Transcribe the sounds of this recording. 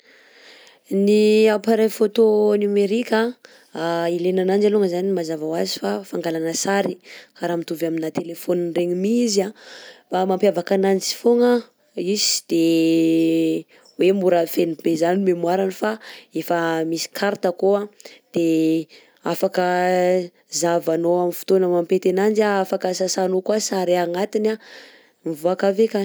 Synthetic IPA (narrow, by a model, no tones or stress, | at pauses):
niapaɾajfot̪onumeɾikʲa | ilenanand͡ʒaluŋəzanimazavawazi̥fafaŋɡalanəsaɾikaɾamit̪uvaminat̪elefoninreɲimizabamampjavakanant͡si̥foŋə | izi̥d̪̥e | wemuɾafenib̥ezanimemuwaɾanifaefəmisi̥kʰaɾt̪əkoad̪̥e | afakə | zavanoamifu̥t̪onəmampet̪enand͡ʒaafakəsasanokuasaɾiaŋat̪ina | mivuakaveka